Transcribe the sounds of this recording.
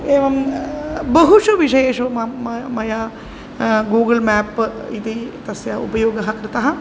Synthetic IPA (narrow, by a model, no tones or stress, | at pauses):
eːʋɐm | bɐɦuʂuʋiʃɐjeːʂɐmɐmɐjaː | ɡuːɡɐlmæːpːit̪it̪ɐsjɐṵpɐjoːɡɐɦɐkɾɪt̪ɐɦɐ̆